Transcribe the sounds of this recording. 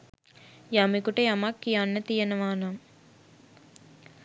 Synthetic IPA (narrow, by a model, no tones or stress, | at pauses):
jaːmikuʈejɐmakːijaːnːɐt̪ijɐnɐʋaːna